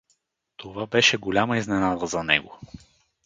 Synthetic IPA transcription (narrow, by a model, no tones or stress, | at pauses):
t̪ovabɛʃɛɡolʲaməiznɛnad̪əzɐnɛ̰ɡo